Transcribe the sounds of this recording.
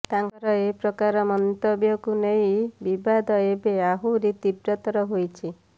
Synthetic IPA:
t̪aŋkɔɾɔepɾɔkaɾɔmɔnt̪objɔkunej̃bibad̪ɔebeaɦuɾit̪ibɾɔt̪ɔɾɔɦojt͡ʃʰi

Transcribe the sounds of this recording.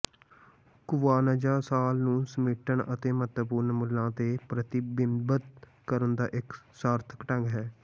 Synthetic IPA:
kʊʋaːnəd͡ʒaːsaːlnũːsəmɪʈəɳət̪eːmət̪ʋpuːɾnmʊlːãːt̪eːpɾət̪ɪbɪmbət̪̚ | kəɾənd̪aːʔɪksaːɾt̪ʰə̥kʈə̃ŋɡɦɛː

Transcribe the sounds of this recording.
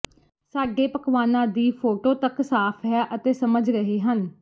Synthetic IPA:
saːɡeːpəkʋaːnãːd̪iːpʰoːʈoːt̪əksaːpʰɦɛʔət̪eːsəməd͡ʒɾəɦeːɦən

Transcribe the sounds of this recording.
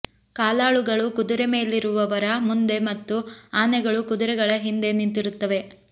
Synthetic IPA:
kaːlaːɭuɡɐɭukud̪uɾeme̞ːliɾuʋɐʋɐɾɐmund̪e̞mɐt̪ːuaːnɛɡɐɭukud̪uɾɛɡɐɭɐɦind̪e̞nint̪iɾut̪ːɐʋe̞

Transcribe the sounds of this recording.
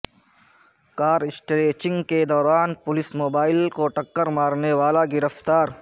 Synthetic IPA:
kaːɾɪsʈɾeːt͡ʃɪ̃ŋɡked̪ɔːɾaːnpʊlɪsmoːbaːɪlkoʈɐkːəɾmaːɾneʋaːlaɡɪɾəft̪aːɾ

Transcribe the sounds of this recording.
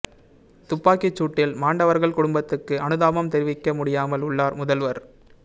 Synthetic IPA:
t̪ʊpːaːkɪt͡ʃːuːʈːɪlmaːɳɖɐʋɐɾɣɐɭkʊɽʊmbɐt̪ːɯkːɯɐnɯðaːmɐmt̪ɛɾɪʋɪkːɐmʊɽɪjaːmɐlʊɭːaːɾmʊðɐlʋɐɾ

